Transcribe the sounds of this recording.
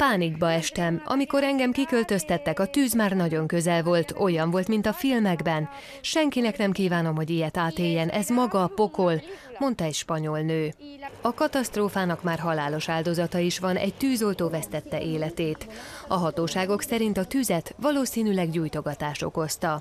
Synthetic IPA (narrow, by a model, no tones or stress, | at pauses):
paːniɡbɒɛʃt̪ɛmɒ̰miko̞ɾɛŋɡɛmkikø̞lt̪ø̞st̪ɛt̪ːɛkɒt̪yːzmaːrnɒɟo̞ŋkø̞zɛlvo̞lt̪o̞jɒɱvo̞lt̪mint̪ɒfilmɛɡbɛn | ʃɛŋkinɛknɛmkiːvaːno̞mɦo̞ɟijɛt̪aːt̪eːjːɛnʔɛ̰zmɒɡɒpo̞ko̞l | mo̞nt̪ɒɛcʃpɒɲo̞lnøː | ɒkɒt̪ɒst̪roːfaːnɒkmaːrɦɒlaːlo̞ʃaːld̪o̞zɒt̪ɒiʃʋɒnɛ̰ɟt̪yːzo̞lt̪oːvɛst̪ɛt̪ːɛʔeːlɛt̪eːt̪ɒɦɒt̪oːʃaːɡo̞ksɛɾint̪ɒt̪yːzɛt̪ʋɒloːsiːnylɛɡɟuːjt̪o̞ɡɒt̪aːʃo̞̰ko̞st̪ɒ